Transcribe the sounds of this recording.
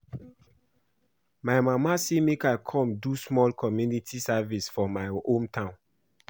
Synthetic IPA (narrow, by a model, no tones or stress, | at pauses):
majmamasemekakʰɔ̃mdusmɔlkʰɔmjunitʰisavisfɔmajõmtʰãn